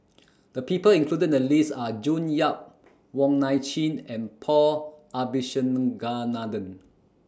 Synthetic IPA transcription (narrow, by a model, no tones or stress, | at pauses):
d̥əpipəlĩŋkʰludədəlisad͡ʒũnjap̚ | wɔ̃ŋnajt͡ʃĩnɛ̃npʰɔabiʃə̃nɡanadə̃n